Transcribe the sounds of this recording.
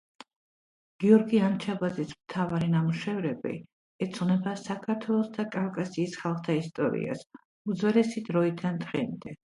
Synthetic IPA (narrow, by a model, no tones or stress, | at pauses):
ɡ̥iɔɾɡiant͡ʃʰabazismt̪ʰavaɾinamuʃɛvɾɛbḭ | ɛt̪sʰʼʁnɛbasakʰaɾt̪ʰwɛlˠɔsd̪akʼafkʼasiːsχalˠχt̪ʰaist̪ʼɔɾḭa̰s | ud̪zwɛlɛsid̪ɾɔid̪ʰand̪ʁɛmd̪ɛ